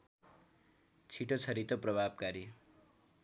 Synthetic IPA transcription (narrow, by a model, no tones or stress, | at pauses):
t͡sʰiʈot͡sʰʌɾit̪oprʌbʱab̚kaɾi